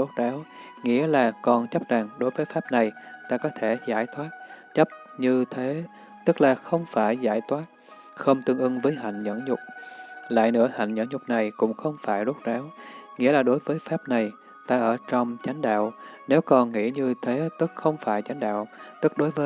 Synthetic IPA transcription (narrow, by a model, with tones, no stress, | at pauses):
o˦˥t̚ɗaː˨˦w | ŋḭ˧˥əlaː˨˩kɔ˨˩nt͡ɕa˦˥p̚za˨˩ŋɗo˨˦jvəː˨˦jfaː˦˥p̚na˨˩jt̪aː˧kɔ˨˦t̪ʰe˧˩zaː˧˩jt̪ʰwaː˦˥t̚t͡ɕə˦˥p̚ | ɲɨ˧t̪ʰe˨˦ | t̪ɨ˦˥k̚laː˨˩xə˧wŋ͡mfaː˧˩jzaː˧˩jt̪ʰwaː˦˥t̚ | xə˧wŋ͡mt̪ɨ˧əŋʔɨ˧ŋvəː˨˦jɦa̰˧˨jŋ̟ɲə̰˧˥nɲʊ˨˩k͡p̚la̰ː˧˨jnɨ̰˧˥əha̰˧˨jŋ̟ɲə̰˧˥nɲʊ˨˩k͡p̚na˨˩jkʊ̰˧˥ŋ͡mxə˧wŋ͡mfaː˧˩jɗo˦˥t̚zaː˨˦wŋḭ˧˥əlaː˨˩ɗo˨˦jvəː˨˦jfaː˦˥p̚na˨˩j | t̪aː˧ʔəː˧˩t͡ɕɔ˧wŋ͡mt͡ɕa˨˦jŋ̟ɗa̰ː˧˨wne˨˦wkɔ˨˩nŋḭ˧˥əɲɨ˧t̪ʰe˨˦t̪ɨ˦˥k̚xə˧wŋ͡mfaː˧˩jt͡ɕa˨˦jŋ̟ɗa̰ː˧˨wt̪ɨ˦˥k̚ɗo˨˦jvəː˨˦